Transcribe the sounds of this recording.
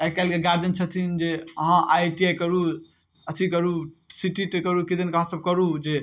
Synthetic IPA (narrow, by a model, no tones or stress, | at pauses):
ɛkɛlkeɡaɾd͡ʒənt͡ʃʰət̪ʰind͡ʒeəɦãʔajʈiajkəɾu | ət̪ʰikəɾusiʈiʈkəɾukid̪inkəɦãsəb̚kəɾud͡ʒe